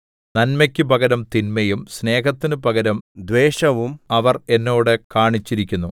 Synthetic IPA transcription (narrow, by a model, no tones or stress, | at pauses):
nɐnmɐkʲːɨpɐɡɐɾɐmt̪inmɐjumsne̞ːɦɐt̪ːinɨpɐɣɐɾɐmd̪ʋeːɕɐʋumɐʋɐre̞nːo̞ːɽɨkaːɳit͡ɕːiɾikʲːunːu